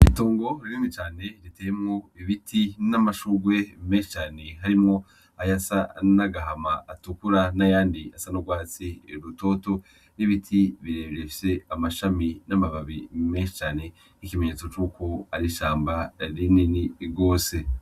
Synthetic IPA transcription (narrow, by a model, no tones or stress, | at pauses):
itoːŋɡo̞ɾiɾimit͡ʃaːne̞ɾiteːjemŋoiβitʰinamaʃuɡwe̞meːʃi̥t͡ʃaːne̞ɦaɾimŋo̞ | ajasanaɡaɦamaːtukuɾanajaːndiasanoɡwaːt͡siɾuto̞ːto̞ | niβitʰiβiɾeːβiɾefi̥se̞amaʃaminamaβaβimeːʃit͡ʃaːne̞ | ikimeɲeːt͡so̞t͡ʃuːkoaɾiʃaːmbaɾininiɡo̞ːse̞